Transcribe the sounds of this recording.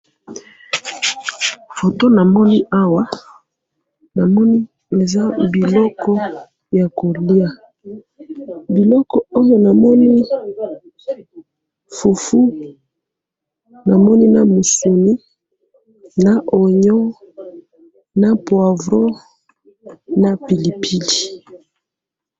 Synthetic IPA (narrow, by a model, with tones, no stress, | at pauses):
fo˨to˦na˨mɔ˦ni˦ʔa˦wa˦ | na˨mɔ˦ni˦ | e˨za˦bi˨lɔ˦kɔ˦ | ja˨ko˨li˦a˨ | bi˨lɔ˦kɔ˨o˦jo˦na˨mɔ˦ni˦ | fu˨fu˦ | na˨mɔ˦ni˦na˦mu˨su˨ni˦ | na˨ʔo˨ɲɔ˦ | na˦pwa˨vɾo˦ | na˦pi˨li˨pʰi˦di˨